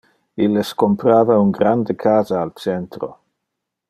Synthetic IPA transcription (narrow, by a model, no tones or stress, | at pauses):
ilːeskompɾaːvauŋɡɾand̪ekʰaːzaːlt͡sɛnt̪ɾo̰